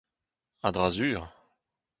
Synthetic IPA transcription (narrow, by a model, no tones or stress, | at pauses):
ad̪ʁazyːʁ